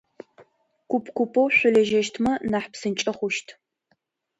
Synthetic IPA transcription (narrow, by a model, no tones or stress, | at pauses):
kʷʊpʰkʷʰʊpʰʼowɕʷʊlɐʒɐʃtʰmɐnaːħpsɨnt͡ʃʼɐχʷʊʃtʰ